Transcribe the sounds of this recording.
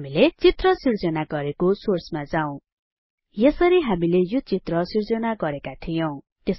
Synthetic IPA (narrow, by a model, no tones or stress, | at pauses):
milet͡sit̪rʌsird͡zʌnaɡʌɾekosorsmad͡zaw̃ | jesʌɾiɦamilejot͡sit̪rʌsird͡zʌnaɡʌɾekat̪ʰijʌw̃ | t̪es